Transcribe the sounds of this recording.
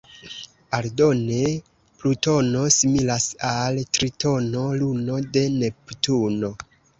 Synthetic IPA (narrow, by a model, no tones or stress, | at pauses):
aldo̞ne̞ | pluto̞no̞similasaltɾito̞no̞luno̞de̞ne̞ptuno̞